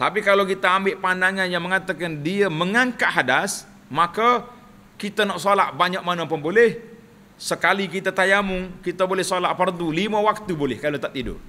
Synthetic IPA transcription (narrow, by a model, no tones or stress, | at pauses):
t̪apikalawkit̪aːmbɪʔpandaŋanjaŋməŋat̪akandiaməŋaŋkaʔhadas | maka | kit̪anɔʔsolaʔ̚baɲak̚manampʊnbolɛh | səkalikit̪at̪ajamʊŋkit̪abolɛhsolaʔ̚pərt̪ulimawak̚t̪ubolɛhkalot̪aʔt̪ːidʊ̰